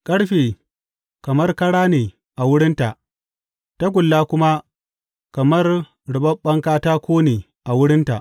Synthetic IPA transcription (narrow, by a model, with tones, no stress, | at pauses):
kʼɐ˦ɽɸeː˨ | kɐ˨mɐ˦rkɐ˦ɽaː˦neː˨ | ʔa˨wʊ˦ɽɪ˦nta˨ʔ | ta˦ɡʷʊ˨lːaː˦kʷʊ˦ma˦ | kɐ˨mɐ˦r | ɽʊ˨ɓɐ˦mɓɐ˦ŋkaː˦taː˦kʷoː˦neː˨ | ʔa˨wʊ˦ɽɪ˦nta˨ʔ